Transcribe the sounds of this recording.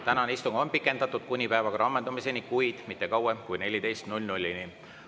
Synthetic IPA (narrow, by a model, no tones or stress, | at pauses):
t̪ænɑneist̪umɑonpikˑːe̞nd̪̥ɑt̪ːˑud̪̥̚kunʲipæevɑkɑɾɑmːend̪umisenikujd̪̥mit̪ːˑe̞kɑwemkujne̞lʲit̪e̞jst̪nulʲnulʲːini